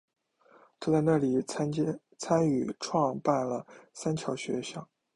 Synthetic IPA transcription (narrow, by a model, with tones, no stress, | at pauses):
t̪ʰa˥˧t͡sa˥˧ɪna˥˩li˨˩˥ | t͡sʰa˥ny˨˩ʈ͡ʂʰwɑ˥˧ŋpa˥˩nlə˩sa˥nt͡ɕʰjɑ˧˥ʊɕɥɛ˧˥ɕjɑ̰˥˩ŋ